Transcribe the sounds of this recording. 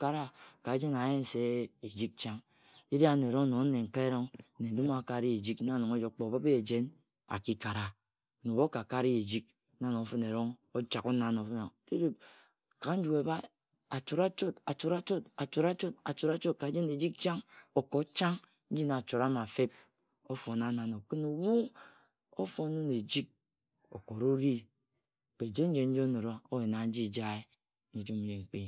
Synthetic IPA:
ka˦ɾa˦ka˨˦d͡ʒe˦na˨je˦n˨se˦e˨d͡ʒi˦k̚t͡ʃa˦ŋ | i˦ɾi˦a˦n˨e˨ɾo˦ŋ˦no˨˦ne˨ŋ̩˨ka˦e˦ɾo˦ŋ˦ne˨du˦m˦a˨ka˦˨ɾi˦e˨d͡ʒi˦ka˦˨no˨ŋo˦d͡ʒo˨˦k͡po˨ba˦be˦e˨d͡ʒe˦n | a̰˨ki˦ka˨ɾa˨ | nu˨bo˦ka˨ka˦ɾi˦e˨d͡ʒi˦k̚ | na˦no˨˦fo˦ne˨ɾo˦ŋo˦t͡ʃa˨ko˦na˦no˨˦fn˨te˦ɾe˦b̚ | ka˨˦n̩˦d͡ʒu˨e˨ba˦ | a˨t͡ʃo˨ɾa˦t͡ʃo˦ta˨t͡ʃo˨ɾa˦t͡ʃo˦ta˨t͡ʃo˨ɾa˦t͡ʃo˦t̚a˨t͡ʃo˨ɾa˦t͡ʃo˦t̚ka˨˦d͡ʒe˦ne˨d͡ʒi˦k̚t͡ʃa˦ŋo˨ko˨˦t͡ʃa˦ŋ | n̩˦d͡ʒi˦na˨t͡ʃo˨ɾa˦ma˨fe˦p̚ | o˦fo˨na˦na˨no˨kɨ˦nu˨wu˦ | o̰˦fo˨˦nu˦ne˨d͡ʒi˦k̚ | o̰˨ko˨ɾo˦ɾi˦˨ | k͡pe˨d͡ʒe˦n̩˦d͡ʒe˨n̩˦d͡ʒo˦no˨ɾa˦o˦e˨na˨n̩˦d͡ʒi˦˨d͡ʒa˦e˦ | ni˨d͡ʒu˦m̩˦d͡ʒe˨ŋ̩˨k͡pe˦

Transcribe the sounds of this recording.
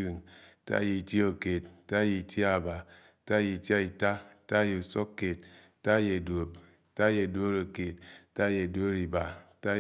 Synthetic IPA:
u˨nta̰˦je˨tjo˨ke˨t̚ta˦ji˨ti˦a˦˨ba˨ | ta˦je˨ti˦a˦i˨ta˦˨ta˦je˨u˨so˦kːe˨t | ta˦je˨do˨p̚ | ta˦je˨do˦ɾo˨ke˨t̚ta˦je˨do˦ɾi˨ba˨˦ta˦

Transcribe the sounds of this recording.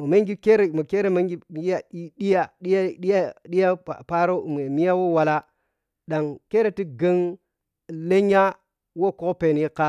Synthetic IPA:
mo˨me˦ŋɡi˦ke˦ɾe˨mo˨ke˦ɾe˦me˦ŋɡi˦˨˦a˨i˦ɗi˦ja˦ɗi˦jɗi˦ja˦ɗi˦ja˦a̰˨pa˦ɾo˦˨m˨e˨mi˦ja˦wo˦wa˨la˦ | da˨ŋke˦ɾe˦ti˦ɡə˦ŋ˨ | le˦ɲa˦ | wo˦˨ko˦pe˨n˨ji˦ka˦

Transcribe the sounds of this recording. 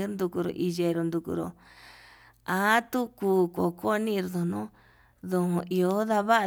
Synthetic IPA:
nd̪u˧ku˧ɾo̰˨ʔi˧je˧ɾo˧nd̪u˧kṵ˧ɾo̰˧ | a˨˦t̪u˦kuː˧ko̰˨ko˦˧˦nĩ˦˧ɾðõ˧˨nũ˦ | ðõ˧ʔi˧o˧˦ða˧βa˦˧

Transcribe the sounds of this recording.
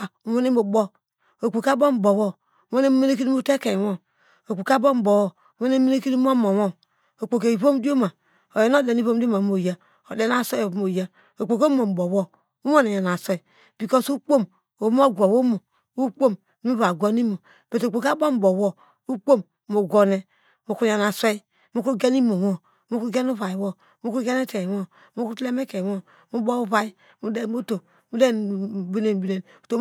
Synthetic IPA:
a˨u˨wo˦ne˦mo˨bɔ˦ | o˨k͡po˨ka˦bo˦m˨bo˨wɔ˦ | u˦wo˦ne˦me˦ne˦k̬i˦i˦u˦te˦ke˨wo˦ | o˨k͡po˨ka˦bo˦m˨bɔ˨wɔ˦˨˦wo˦ne˦mi˦ne˦ki˦ni˦m˦mo˨wɔ˦n | o˨k͡po˨ke˨i˨βo˦mdo˦ma˨ | o˨je˨no˦de˨ni˦βo˦m˦di˦o˦ma˨mo˨ja˦ | o˨de˦n˦a˦˨so˦˨˦mo˨ja˦ | o˨k͡po˨ko˦mo˨m˨bo˨wɔ˦ | u˦wo˦ne˨ja˨n˨a˨sɔ˦i˨ | b̥i˨kɔ˦su˦k͡po˦m | o˨˦m˦o˦˨ɡʷɔ˨wo˦mo˨ | u˦k͡po˦m˦ | mi˦βa˨ɡo˦ni˦mo˨ | b̥e˨to˨k͡po˨ka˦bɔ˦m̩˦bɔ˨wɔ˦ | u˦k͡po˦mːo˨ɡɔ˨nɛ˨ | mu˨ku˦ja˨na˨sʷe˦ | mu˦ku˦ɡe˦ni˦mo˨wɔ˦ | mu˦ku˦ɡe˦nu˦βa˨i˨wɔ˦ | mu˦ku˦ɡe˦ne˦te˨wɔ˦ | mu˦ku˦tle˦me˦ke˨wɔ˦ | mu˦bɔ˦u˦βa˨i˦ | mu˦de˦o˦to˨ | mu˦de˦bi˦ne˨n˨bi˦ne˨nu˨to˦

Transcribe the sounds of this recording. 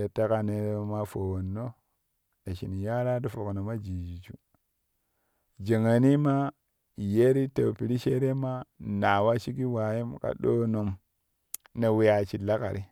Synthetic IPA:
e˨ta˦ka˨ne˨ɾma˦fo˨wo˨nːo˦ | e˨ʃi˨ni˨ja˦ɾa˦du˦fu˨ko˨no˨ma˦d͡ʒi˨d͡ʒi˨t͡ʃu˦ | d͡ʒe˨ŋa˨ni˦ma˦ | je˦ɾi˦to˨pi˨ɾi˦ʃe˦ɾe˦ma˦na˨wa˦ʃi˦ki˦wa˨ji˦mka̰˨ɗo˦no˨m | ne˨we˦ja˨t͡ʃi˨la˦ka̰˨ɾi˦

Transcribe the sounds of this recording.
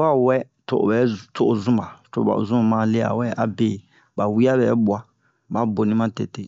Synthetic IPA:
a˦wɛ˦ | to̰˨o̰˨bɛ˨˦to˨ʔo˨zũ˦ma˨to̰˨a̰˨o̰˨zũ˦˨mã˦le˦a̰˨wɛ˦a˨be˨ | ba˨wi˦a˦bɛ˨˦ɓwa˦ | ba˨˦bo˨nĩ˦mã˦te˨te˦

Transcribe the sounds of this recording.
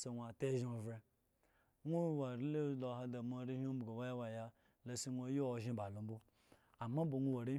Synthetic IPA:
se˨wʷa˨te˦ʒo˨vɾe˦ | ŋʷu˦wa˨ɾi˦le˦lo˨ɦa˦da˨m˦o˨˦ɾi˦ho˦bɡo˨wa˦ja˦wa˨ja˦ | lo˦si˦nʷo˦jo˦o˨ʒĩ˦ba˨lo˨m̩˦bu˦ | a˨ma˦bo˨nʷu˦wa˨ɾi˦

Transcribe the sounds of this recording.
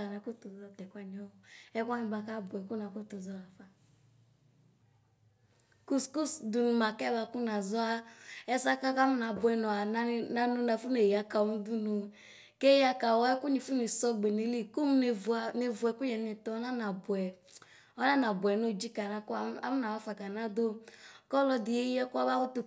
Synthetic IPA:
a˨na˨ku˦tu˨zɔ˦˨tɛ˨kʷa˦ni˨ɔ˦˨ɛ˦kʷa˦ni˨ba˨ka˦˨bʊ˨ɛ˨ku˦na˨ko˦to˨zɔ˦la˨fa˦ | ku˦ku˦du˨nu˨ma˨kɛ˦˨ba˧ku˦na˨zɔ˦a˦ɛ˦sa˦ka˦ka˦mu˦na˨bʊ˨ɛ˨nɔ˨a˨na˦na˦nu˦na˨fu˦ne˨ja˨ka˨˦u˦du˦nu˨ | ke˦ja˦ka˨wɔ˦ɛ˦ku˦ni˨fu˦ne˨sɔ˦ɡ͡be˨ne˨˦li˦ku˦m˦ne˨va˨ne˨vʊ˨ɛ˨ku˦jɛ˨˦e˨tɔ˦ɔ˦na˦na˨bʊ˨ɛ˨ | ɔ˦na˦na˨bʊ˨ɛ˨no˦˨d͡ʒi˦ka˨na˨ka˦m˦na˨wa˦fa˨ka˨na˦do˦kɔ˦lɔ˦di˨je˦ɛ˦ku˦a˦βa˦wu˦tu˨

